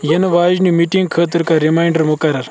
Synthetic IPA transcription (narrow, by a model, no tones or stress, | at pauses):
jenɐʋaːd͡ʒnimiʈiŋɡkʰəːt̪̬əɾkaɾimajɳɖəɾmukɐɾɐɾ